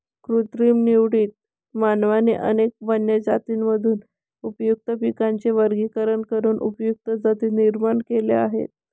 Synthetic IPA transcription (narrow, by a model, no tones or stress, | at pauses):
kɾut̪ɾiːmniʋɽiːt̪̚ | manʋanḛʔə̰nek̚ʋənjəd͡zat̪iːnməd̪ʱuːn | upjuk̚t̪əpikaɲt͡ɕeʋəɾɡikəɾəɳkəɾuːnʔṵpjuk̚t̪əd͡zat̪iːniɾmaɳkelḛa̰ɦḛt̪̚